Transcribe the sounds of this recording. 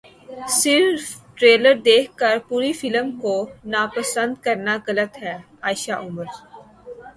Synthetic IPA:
sɪɾfʈɾeːləɾd̪eːkʰkəɾpuːɾifɪləmkonaːpəsə̃nd̪kɐɾnaɣɐlət̪ɦɛː | aːɪʃaʔʊməɾ

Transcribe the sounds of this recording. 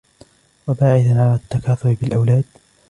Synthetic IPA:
wabaːʕɪθanʕalat̪ːakɑːt̪ʊbbɪlʔawlaːd̪

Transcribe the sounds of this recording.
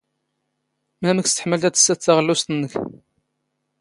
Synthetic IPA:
mæməkst̪ə̥ħməlt̪æt͡sːə̥sːæt͡sːaʁəlːʊst̪nːəç

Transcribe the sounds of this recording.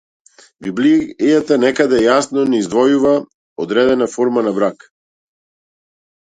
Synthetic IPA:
biblijat̪anɛkad̪ɛjasnɔnɛizd̪vɔjuva | ɔd̪ɾɛd̪ɛnafɔɾmanabɾak

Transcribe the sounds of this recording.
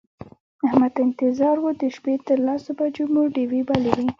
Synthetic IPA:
ahmad̪ɪnt̪ɪzɑɾwod̪əʃpet̪əɾlasobad͡ʒomoɖiwibalewi

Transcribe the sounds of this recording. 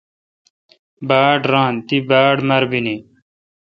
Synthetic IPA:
baːɖɾãːnt̪ibaːɽmɐɾbini

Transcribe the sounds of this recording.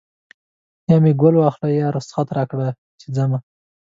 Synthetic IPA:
jɑmeɡolwɑxlajɑɾʊsxat̪ɾɑkɽa | t͡ʃid͡zama

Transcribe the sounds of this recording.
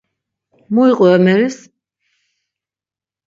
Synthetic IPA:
mɔiqʼwɛamɛɾis

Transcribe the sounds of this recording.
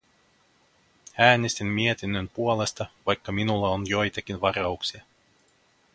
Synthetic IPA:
æːnest̪immie̞t̪inːønpuole̞st̪ɑʋɑjkːɑminulːɑonjo̞jt̪ɑk̟inʋɑrɑuksiɑ

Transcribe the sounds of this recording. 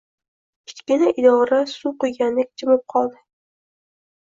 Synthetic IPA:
kʲʰɪ̥t͡ʃkʲɪnaʔɪd̪ɒɾasuqojɡʲanlɪk̚ʲt͡ʃʰɪmɪp̚qʰɒlˠd̪ɪ

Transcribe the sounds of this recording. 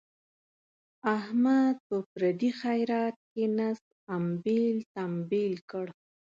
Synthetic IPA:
ahmad̪̚pəpɾad̪ixajɾɑːt̪̚kenasd̪ambelt̪ambelkəɽ

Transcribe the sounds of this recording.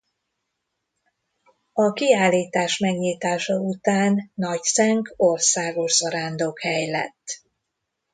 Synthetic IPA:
ɒkiaːlːiːt̪aːʃmɛɡɲiːt̪aːʃɒut̪aːnːɒcsɛŋko̞rsaːɡo̞ʃzɒɾaːnd̪oːkhɛjlɛ̰t̪ː

